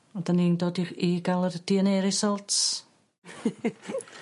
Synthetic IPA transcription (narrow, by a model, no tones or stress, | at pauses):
ɔdaniːndoːdiiɡalˠərd̥iəneɾɪsɔlˠtʰ